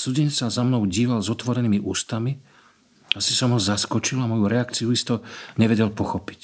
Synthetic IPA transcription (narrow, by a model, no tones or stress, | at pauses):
suɟɛɲɛt͡sːazamnɔʊɟiːʋalzɔt̪ʋɔɾɛniːmiʔuːst̪ami | asisɔmɦɔzaskɔt͡ʃilamɔjuɾɛakt͡sijuist̪ɔɲɛʋɛɟɛlpɔxɔpi̥c